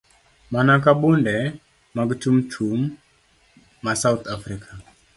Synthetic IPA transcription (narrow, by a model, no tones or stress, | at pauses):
manak̬abʊndɛ | maɡt͡ʃumt͡ʃʰum | asawt̪afɾikʰa